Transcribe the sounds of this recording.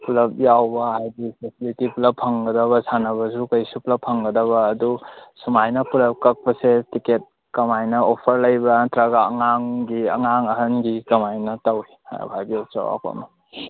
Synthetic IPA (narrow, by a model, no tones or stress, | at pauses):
pulɐp̚jawbɐɦajdisesilitiplɐpʰɐŋɡɐdɐβɐsʰanɐβɐsukɐjsuplɐpʰːɐŋɡɐdɐβɐːdusumajnɐpulɐp̚kɐk̚pɐsetiket̚ | kɐmajnɐopʰɐɾlɐjbɐtɾaɡaːŋaŋɡiɐ̰ŋaŋɐɦɐnɡikɐmajnɐtawiha̰bʱajbiot͡ʃa̰wa̰ka̰mɐ